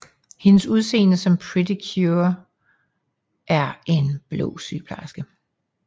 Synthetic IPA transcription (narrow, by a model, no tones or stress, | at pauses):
he̝nəsuð̞ˠse̝̰ːnəsɒ̽mpʰʁidikʰjuɐ | ʔæɐe̝nb̥lɔ̰ːsy̰ːpʰlɑ̰sɡ̥ə